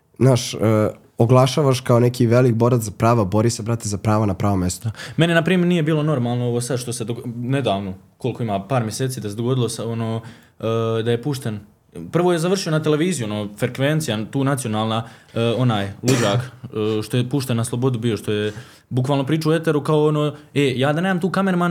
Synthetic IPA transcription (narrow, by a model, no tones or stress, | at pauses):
naːʃ | oɡlˠaʃaːʋaʃkaonekʰiʋelik̚boɾat̪zapɾaːʋabo̞ɾisebɾat̪ːezapɾaːʋanapɾaːʋomest̪ome̞ninapɾiːmeɾnije̞biːlo̞no̞ɾmaːlˠnooʋoːsad̪ʃt̪o̞se̞d̪one̞d̪aːʋno̞ko̞likʰo̞imaːpaːɾmʲjeseːt̪siːd̪ased̪o̞ɡo̞d̪ilˠo̞sonoː | d̪aje̞puʃt̪en | pr̩ʋoːjezaʋr̩ʃijo̞nat̪e̞le̞ʋiːzijuonoːfɾekʋent̪sijat̪uːnat̪sijo̞naːlˠnao̞naːjlˠud͡ʒaːkːʃt̪ojepuʃt̪enaslˠo̞bo̞d̪ubiːjo̞ʃt̪o̞je | bukʋaːlˠno̞pɾiːt͡ʃaue̞t̪e̞ɾukao̞onoːejaːd̪ane̞ːd̪amt̪uːkame̞ɾman